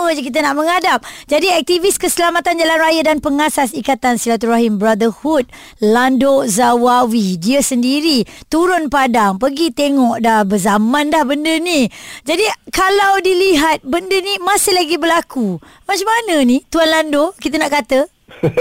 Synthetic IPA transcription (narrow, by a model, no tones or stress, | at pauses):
əd͡ʒkit̪̬ənaʔmə̃ŋadap̚d͡ʒadiɛk̚t̪iviskəsəlamat̪and͡ʒalanrajadanpəŋasasikat̪ansilat̪uɾraɦimbɾad̪əhut̪̚ | landozawawidiəsəndiɾit̪uɾʊnpadaŋpəɡit̪eŋɔʔdahbəzamãnlahbəndənid͡ʒadikalawdiliɦat̪̚bəndənimasɪhlaɡibəlaku | mat͡ʃamanə̃nit̪uanlandokit̪̬ənaʔkat̪ə